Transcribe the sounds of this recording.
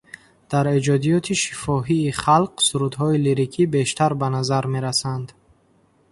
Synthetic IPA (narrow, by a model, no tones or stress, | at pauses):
d̪̥aɾed͡ʒɔd̪ijɔt̪ʰiʃi̥fɔɦiːχalqsuɾud̪ɦɔiliɾikʰibe̞ʃt̪ʰaɾbanazaɾme̞ɾasand̪